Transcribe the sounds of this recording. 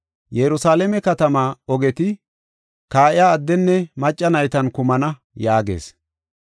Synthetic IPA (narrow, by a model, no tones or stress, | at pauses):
jɛɾʊsaːlɛmɛkɐt̪ɐmaːɔɡɛt̪ɪ | kaːʔɪjaːd̪ːɛnːɛmɐt͡ʃʼːɐnɐjt̪ɐnkʊmɐnɐ | jaːɡḛːs